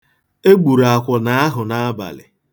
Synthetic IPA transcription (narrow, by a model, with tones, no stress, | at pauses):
e˦ɡ͡bu˨ɾa˨kʷɔ˨na˨a˦ɦʊ˨na˦a˦ba̰˨lɪ̰˨